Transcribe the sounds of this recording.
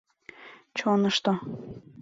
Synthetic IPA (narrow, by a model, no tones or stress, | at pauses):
t͡ɕonəʃt̪o